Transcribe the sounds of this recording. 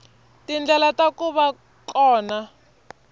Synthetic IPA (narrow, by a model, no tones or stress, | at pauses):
tind͡ɮɛlatakuβa | kɔːna